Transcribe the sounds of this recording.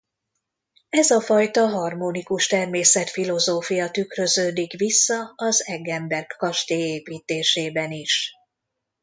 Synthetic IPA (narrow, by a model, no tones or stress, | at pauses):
ɛzɒfɒjt̪ɒɦɒrmonikuʃt̪ɛrmeːsɛt̪filo̞zoːfijɒt̪ykrø̞zøːd̪ikʋisːɒɒzɛɡɛmbɛrkːɒʃt̪eːeːpiːt̪eːʃeːbɛniʃ